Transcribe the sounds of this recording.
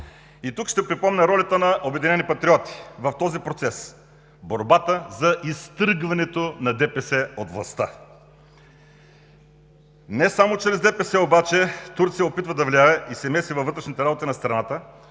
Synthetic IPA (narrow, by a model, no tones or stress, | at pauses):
it̪ukʃt̪ɛpɾipɔmnʲɛɾɔlʲɐt̪ənɐʔobɛd̪inɛnipɐt̪ɾiɔt̪i̥vɐft̪ɔzipɾot̪sɛs | boɾbat̪əzɐʔist̪ɾɡvɐnɛt̪onɐd̪ɛpɛsɛot̪vlˠɐ̰st̪a | nɛsamot͡ʃɾɛzd̪ɛpɛsɛobat͡ʃɛt̪uɾt̪sijəopit̪vəd̪ɐvliaɛisɛmɛsʲivɐvɤt̪ɾɛʃnit̪ɛɾabot̪inɐst̪ɾɐnat̪ə